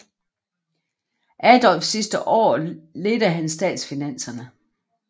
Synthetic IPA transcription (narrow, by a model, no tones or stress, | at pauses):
ʔæd̥ɒ̽lfsːisd̥əʔɒ̰ːle̝d̥ɐɦænsd̥ɛ̰ːd̥sfinæn̰sɐnə